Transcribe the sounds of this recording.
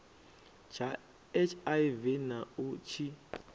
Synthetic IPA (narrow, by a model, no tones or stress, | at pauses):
t͡ʃʰa | et͡ʃʰajvinaut͡ʃʰi